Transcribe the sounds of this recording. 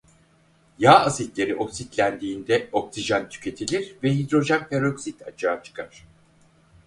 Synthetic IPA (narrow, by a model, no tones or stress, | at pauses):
jaːazit̪lʲe̞ɾiʔo̞ksit̪lʲænd̪iːnd̪ɛo̞ksiʒant̪ʰy̥cʰe̞t̪ʰilʲiɾvɛɦid̪ɾo̞ʒænpeɾoksit̪ʰa̰t͡ʃʰaːt͡ʃʰɯ̥kʰaɾ̥